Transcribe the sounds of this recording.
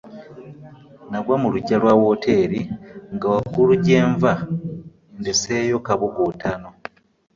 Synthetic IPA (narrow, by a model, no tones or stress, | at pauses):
naɡwamuluɟːalwawotʰe̞ːɾiŋɡawakuluɟeːɱva | ndesejo̞kaβoɡotʰano̞